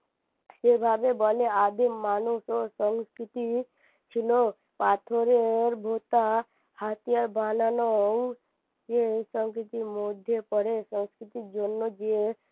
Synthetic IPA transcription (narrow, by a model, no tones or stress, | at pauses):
sebʱabebɔlead̪ʱimːaːnusosəŋskɾit̪i | t͡ʃʰilo | pat̪ʰoɾeɾbʱot̪a | hat̪ijaɾbʱananoŋ | jesəŋskɾit̪imod̪ʱjepəɽesə̃ŋskɾit̪id͡ʒonːod͡ʒie